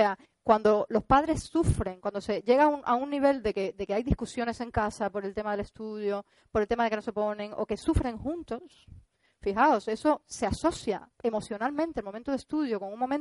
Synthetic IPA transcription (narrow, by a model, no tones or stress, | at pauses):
ea | kwand̪o̞lo̞spaðɾe̞sːufɾe̞ŋkwand̪o̞se̞ʝe̞ɣauŋaunːiβ̞e̞ld̪e̞ked̪e̞keajðihkusjo̞ne̞sẽ̞ŋkasapo̞ɾe̞lt̪e̞maðele̞st̪uðjo | po̞ɾelt̪e̞maðekeno̞se̞po̞nẽ̞ŋo̞̰ke̞sufɾẽ̞ŋxũnt̪o̞s | fixao̞se̞so̞se̞aso̞sjae̞mo̞θjo̞nalmẽnt̪elmomẽnt̪oðe̞st̪uð̞joko̞ŋũŋmomẽn